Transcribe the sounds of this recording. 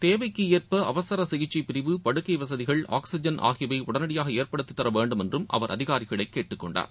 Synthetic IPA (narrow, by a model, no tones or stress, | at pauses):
t̪eːʋɐɪkːɯɪjɐɾpɐɐʋɐsɐɾɐsɪɣɪt͡ʃːɐɪpɪɾɪʋɯpɐɽɯkːɐɪʋɐsɐðɪɣɐɭa̰ːksɪd͡ʒɐnʔa̰ːɣɪjɐʋɐɪʔʊɽɐnɐɽɪjaːɣɐeːɾpɐɽɯt̪ːɯt̪ːɐɾɐʋeːɳɖɯmɛndrɯmʔɐ̰ʋɐɾʔɐ̰ðɪɣaːɾɪɣɐɭɐɪkːeːʈːɯkːɔɳɖa̰ːɾ